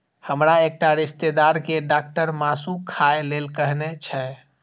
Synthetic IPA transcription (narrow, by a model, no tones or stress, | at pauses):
həmɾaek̚ʈaɾist̪ed̪aɾkeɖak̚ʈəɾmasũkʰaelelkəɦnet͡ʃʰɛ